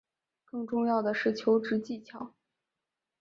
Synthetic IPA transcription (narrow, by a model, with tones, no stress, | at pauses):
kɤ˥˧ŋʈ͡ʂʊ˥˧ŋjɑ˥˩ʊd̪ə˩ʂɻ̩˥˩t͡ɕʰjo˧˥ʊʈ͡ʂɻ̩˧˥t͡ɕi˥˩t͡ɕʰjɑ˨˩˦ʊ